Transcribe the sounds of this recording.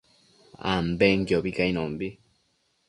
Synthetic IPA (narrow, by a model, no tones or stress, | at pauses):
a̰mbeŋɡjoβikainoːmbi